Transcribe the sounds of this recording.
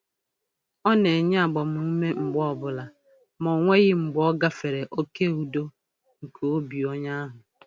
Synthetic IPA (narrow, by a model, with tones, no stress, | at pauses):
ɔ˦ne˨ɲ˦a˨ɡ͡bɔ˨m̩˨˦u˦me˦ŋ͡m̩˨ɡ͡bɔ˦˨bʊ˦la˨ | mɔ˨ŋʷe˦ɣɪ˦ŋ͡m̩˨ɡ͡bɔ˦ɡa˦fe˨ɾe˨ʔo˦ke˦˨u˨do˦ | ŋ̩˨kʰo˨o˦bi˨ɔ˦ɲa˦a˦ɦʊ˨